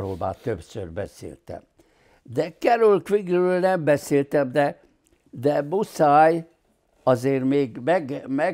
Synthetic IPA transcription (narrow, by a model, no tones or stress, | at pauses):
ɾo̰lba̰ːt̪øpsø̰rbɛsḛːlt̪ɛ̰m | d̪ɛkɛɾulkʋiɡrøːlnɛmbɛseːlt̪ɛmd̪ɛ | d̪ɛbusaːj | ɒzeːrmeːɡmɛɡmɛ